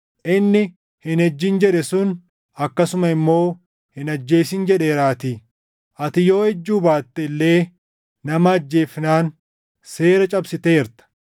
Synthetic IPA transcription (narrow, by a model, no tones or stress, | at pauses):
ʔɪnːɪ | hɪnɛd͡ʒːɪnd͡ʒɛɗɛsʊn | ɐkːɐsʊmɐɪmːo̞ː | hɪnɐd͡ʒːe̞ːsɪnd͡ʒɛᶑe̞ːɾaːt̪i | ʔɐt̪ɪjo̞ːhɛd͡ʒːuːbaːt̪ːɛɪlːe̞ː | nɐmɐːd͡ʒːe̞ːfnaːn | seːɾɐt͡ʃʼɐbsɪt̪eːɾt̪ɐ̥